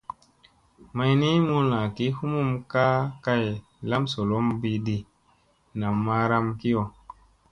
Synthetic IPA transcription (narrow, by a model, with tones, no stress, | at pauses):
ma˦jni˦mu˦na˨ki˦hu˦mu˦˨mka˦ka˦j | la˦mso˨lo˦mbi˦di˨ | na˨mːa˦ɾa˦mki˦jo˨